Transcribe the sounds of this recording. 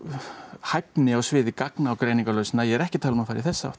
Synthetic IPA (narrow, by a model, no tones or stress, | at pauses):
hajpnɪɔɣsvɪːðɪkaknaːwkɾejniŋkalœːɥsɪnːajɛɛɾɛhcɪt̪ʰaːlʏmafaːɾɪθɛsːaa̰ht̪